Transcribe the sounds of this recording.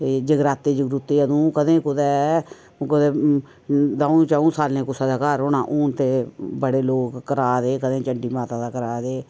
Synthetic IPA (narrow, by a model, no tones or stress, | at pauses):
d͡ʒəɡɾaːt̪ːeːd͡ʒəɡɾut̪eːəd̪ũːkəd̪ẽːkʊd̪ɛː | kʊd̪ɛː | d̪aːũt͡ʃaːũːsaːlnẽːkʊsaːd̪aːkaːɾʊnãːʔuːnt̪eːbəɽeːloːkːəɾaːd̪eːkəd̪ẽːt͡ʃəɳɖiːmaːt̪ãːd̪aːkəɾaːd̪eː